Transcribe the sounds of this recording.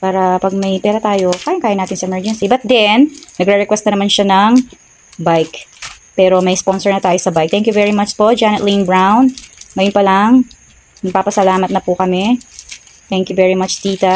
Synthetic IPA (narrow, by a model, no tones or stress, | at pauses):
paːɾɐpɐɡ̚mɐjpɛːɾɐt̪aːjokaːjɐnkaːjɐnaːt̪ɪnsɐɛmɛɹd͡ʒɛnsibɐt̪̚d̪ɛnnɐɡɾɛɾɛkwɛst̪ɐnɐmanʃanɐŋ | bajk | pɛːɾomɐjspo̞nsɛɹnɐt̪aːjosɐbajk̚t̪ɛŋkjuvɛɹimɐt͡ʃpoʔd͡ʒanɐt̪linbɹawnŋɐjonpɐlɐŋ | nɐɡ̚paːpɐsɐlaːmɐt̪nɐpʊkɐmɛ | t̪ɛŋkjuvɛɹimɐt͡ʃt̪iːt̪ɐ